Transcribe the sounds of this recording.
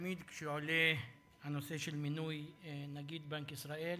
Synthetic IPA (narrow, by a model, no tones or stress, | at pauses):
miːd̪kʃjʕle | hanoseʃelmɪnujnaɡiːd̪bankisɾaʔel